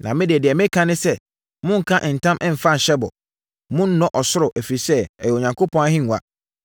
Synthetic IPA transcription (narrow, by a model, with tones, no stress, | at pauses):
nã˨mɪ̃˦dɪ˨ɛ˨dɪ˨ɛ˨mɪ̃˦kʰã˦nɪ̃˦sɛ˦ | mʊ̃˦ŋ̩˨kʰã˦ʔɪ̃˨n̩˨tʰã˦mʔɪ̃˦m̩˨fa˦˨ɕɛ˦bɔ̰˨ | mʊ̃˦n˦nːɔ̃˦ʔɔ˨sʊ˦ɾʊ˨ʔæ˨fi˨sɛ˦ɛ˨jɛ˨o˨ɲã˨ŋkʰo˦pʰɔ̃˦a˦hɪ̃˦ŋ˨a̰˨